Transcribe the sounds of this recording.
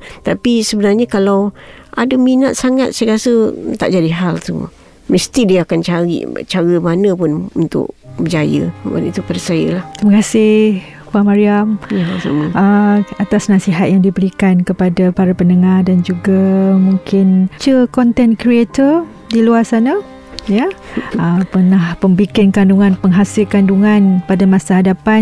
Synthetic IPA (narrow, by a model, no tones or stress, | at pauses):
t̪apisəbənarɲakalawʔadəminat̪̚saŋat̪̚sajɾasət̪a̰ʔd͡ʒadiɦalt̪ṵ | məst̪idiaakant͡ʃaɾḭt͡ʃaɾəmanə̃pʊnṵnt̪ʊ̰k̚bəd͡ʒajə̰nḭt̪upadasajə̰laht̪məkasɪhh | pamaɾiamjasa̰məəat̪asnasiɦat̪̚jaŋdibəɾikankəpadapaɾapənəŋardand͡ʒuɡamuŋkɪnt͡ʃəkɔnt̪ɛnkɾiet̪ɔr | diluasana | jaəpərnahpəmbikɪnkanduŋãnpəŋɦasɪlkanduŋãnpadamãsaɦadapan